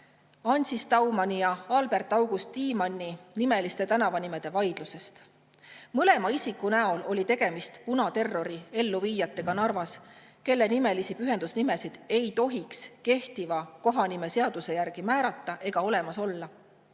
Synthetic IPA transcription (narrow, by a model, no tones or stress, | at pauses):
ɑnʲsist̪ɑwmɑnʲijɑɑlb̥e̞rt̪ːˑɑwɡ̥ust̪ːiːmɑnʲːinime̞list̪e̞t̪ænɑvɑnime̞d̪̥e̞vɑjd̪̥luse̞st̪ | mɤle̞mɑisikːˑunæo̞lo̞lʲit̪e̞ɡ̥e̞mist̪punɑt̪e̞rːo̞ɾie̞lːuviːjɑt̪ˑːe̞ɡ̥ɑnɑrvɑs | ke̞lːe̞nime̞lisipyɦe̞nd̪usnime̞sid̪̥e̞jt̪o̞ɦikske̞ht̪ivɑko̞ɦɑnime̞se̞ɑd̪̥use̞jærɡ̥imæːɾɑt̪ˑːɑʔe̞ɡ̥ɑo̞le̞mɑso̞lːɑ